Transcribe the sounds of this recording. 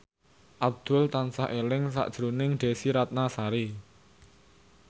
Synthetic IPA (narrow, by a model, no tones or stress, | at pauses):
ʔab̚d̪̥ʊ̤lt̪ansaʔelɪŋs̬a̰ʔd̥ʒ̥ɾunɪŋɖ̪̥e̤siɾat̪̚nasaɾi